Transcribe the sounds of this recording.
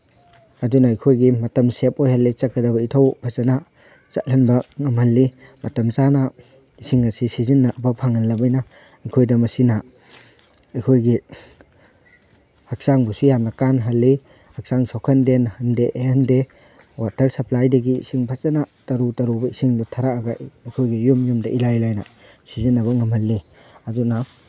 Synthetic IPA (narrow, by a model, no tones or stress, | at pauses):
ɐdunɐːjkʰojɡimɐtɐmsep̚ojhɐlːit͡ʃɐkːɐdɐbɐitʰɐwbʰʱɐsɐna | t͡ʃɐt̚lɐnbɐŋɐmhɐlːi | mɐtɐmt͡ʃanɐ | isiŋɐsisizinːɐbɐpʰaŋɐnlɐbɐjnɐ | ɐjkʰojdɐmɐsinɐ | ɐjkʰojɡi | hak̚saŋbusujamnɐkanɦɐlːi | hɐk̚saŋsɔkʰɐndenhɐndeʔehɐnde | watɐɾsɐplajdɐɡiːsiŋbʰʱat͡ʃɐnatɐɾutɐɾubɐisiŋdutʰaɾakɐɡaɐjkʰojɡijumjumdɐʔilajlajnɐ̰ | sizinːɐβɐŋɐmhɐlːi | ɐduna